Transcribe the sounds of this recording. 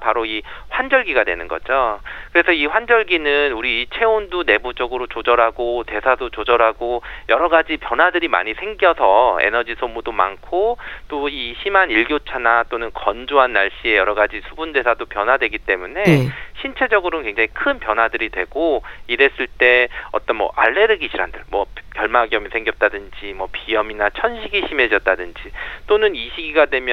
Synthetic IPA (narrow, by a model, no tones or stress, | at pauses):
paɾoiɸwand͡ʑʌɭɡiɡadwe̞̰nɯnɡʌ̰d͡ʑokɯɾe̞sʰʌiɸwand͡ʑʌɭɡinɯnuɾiːt͡ɕʰe̞ondune̞bud͡ʑʌɡɯɾot͡ɕod͡ʑʌɾaɡote̞sʰadot͡ɕod͡ʑʌɾaɡojʌɾʌɡad͡ʑipjʌnwadɯɾima̰ɲisʰe̞ŋɡjʌsʰʌḛnʌd͡ʑisʰomudoma̰nkʰot͈oiɕʰimaniɭɡjot͡ɕʰanat͈onɯnkʌnd͡ʑoɦanːaɭɕ͈ie̞jʌɾʌɡad͡ʑisʰubunde̞sʰadopjʌnwadwe̞ɡit͈e̞mune̞ɕʰint͡ɕʰe̞d͡ʑʌɡɯɾonkwe̞ŋd͡ʑaŋikʰɯnpjʌnɦwadɯɾidwe̞ɡ̥oiɾe̞s͈ɯɭt͈e̞ʌ̰t͈ʌnmwʌ̰ʔa̰ɭːe̞ɾɯɡiɕʰiɾɦa̰ndɯɭmwʌkjʌɭmaɡijʌmisʰe̞ŋɡjʌp̚t͈adɯnd͡ʑimwʌpiʌminat͡ɕʰʌnɕʰiɡiɕʰime̞d͡ʑʌt̚t͈adɯnd͡ʑit͈onɯniɕʰiɡiɡadwe̞mj